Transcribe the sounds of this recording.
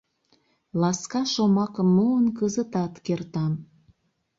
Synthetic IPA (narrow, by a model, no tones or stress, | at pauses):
lɑskɑʃomɑkəmːuənkəzət̪ɑt̪kert̪ɑn